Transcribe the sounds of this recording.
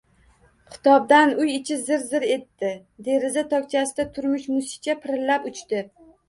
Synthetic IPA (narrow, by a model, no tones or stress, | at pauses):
kʰɪ̥t̪ɒb̚d̪anʊjɪt͡ʃʰɪzɪɾzɪɾe̞t̪ːɪ | d̪e̞ɾɪzat̪ʰɒk̚ʲt͡ʃʰasɪd̪at̪ʰʊɾmɪʃmʊsɪ̥t͡ʃʰapʰɪɾɪlːapʊt͡ʃt̪ɪ